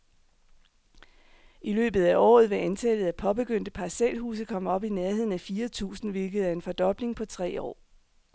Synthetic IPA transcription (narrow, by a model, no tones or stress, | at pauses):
ʔilø̰ːb̥ð̩ˠæʔɒ̰ːð̞̩ˠʋe̝ænt͡sʰɛlð̩ˠæpʰɒ̽b̥e̝ɡ̥øn̰d̥əpʰɑsel̰hṵːs̬ð̩kʰɒ̽m̰ɒ̽b̥ineɐɦe̝ð̰ˠn̩æfiːɐt͡sʰṵːsn̩ʋe̝lɡ̥əð̞̩ˠæɐe̝nfɒ̽d̥ɒ̽b̥le̝ŋpʰɒ̽t͡sʰʁɛ̰ːɒ̰ː